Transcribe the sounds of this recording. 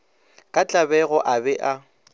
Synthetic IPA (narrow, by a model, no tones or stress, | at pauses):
kʼat͡ɬʼabɛɣɔʔabɛʔa